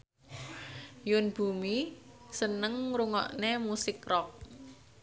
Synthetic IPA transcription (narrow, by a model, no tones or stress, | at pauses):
jʊnb̥umisənəŋɾuŋɔ̰ʔnemusɪkrɔk̚